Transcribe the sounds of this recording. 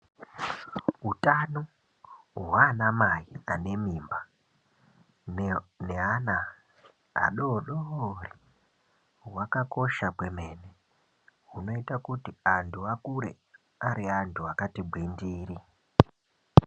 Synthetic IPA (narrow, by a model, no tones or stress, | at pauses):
utano | ɦwaːnamaiane̞miːmba | neana | a̰ɗoɗoori | wakako̞ʃakwe̞me̞ːne | ɦuno̞itakutiantʰuakuɾe̞̰ | aɾiantʰuakatibʱwindiːɾi